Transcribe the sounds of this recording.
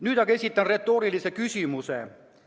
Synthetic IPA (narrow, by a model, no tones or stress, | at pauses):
nyt̪ɑkesit̪ːænret̪ːoːrilːisekysymyseˑ